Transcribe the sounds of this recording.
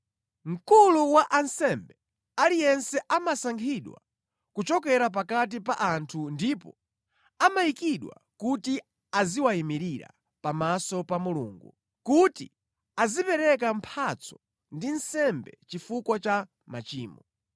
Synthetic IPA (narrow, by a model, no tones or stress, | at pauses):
ŋ̩kuluwaʔansɛmbɛ | alijɛnsɛʔamasaŋkʰiɗwa̰ | kut͡ʃɔkɛɾap̬akat̬ipa̰ʔantʰundipɔ | amajikiɗwa̰kuti | aziwaimiɾiɾa̰ | pamasɔpamulṵːŋɡu | kuti | azipɛɾɛk̬ampʰat͡sʰɔ | ndinsɛmbɛt͡ʃifukwɔt͡ʃa | mat͡ʃiːmɔ